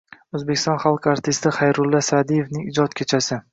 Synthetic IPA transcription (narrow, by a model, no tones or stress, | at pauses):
ɵzbekʲʰɪst̪ɒnχalˠqaɾt̪ʰɪst̪ɪχajɾʊlːasad̪ije̞fnɪŋɪd͡ʒɒt̪kʲʰet͡ʃʰasɪ